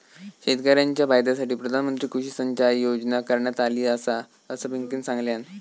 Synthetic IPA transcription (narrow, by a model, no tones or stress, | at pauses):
ɕet̪kəɾjaɲt͡ɕjabajd̪jasaʈiːpɾəd̪ʱanmənt̪ɾiːkʰuɕisəɲt͡ɕaɾjod͡ʑnakəɾɳjat̪aliːəsa | əsəbiŋkiːnsãŋɡljan